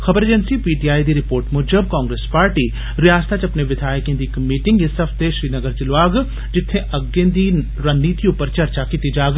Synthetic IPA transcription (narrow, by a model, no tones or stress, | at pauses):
xɐbəɾeːd͡ʒənsipiːʈijaːid̪iɾɪpoːɾʈmʊːd͡ʒəb̚kãːŋɡɾeːspaːɾʈiː | ɾɪjaːst̪ʰat͡ʃɐpneʋɪd̪ʱaːjəkẽnd̪iːkmiːʈɪ̃ŋɡesɐfʰd̪eːʃɾiːnɐɡəɾt͡ʃɪlʋaːɡ | d͡ʒɪt̪ʰːẽʔɐɡẽːd̪i | ɾɐnniːt̪ijũpɐɾt͡ʃɐɾt͡ʃakit̪id͡ʒaːɡ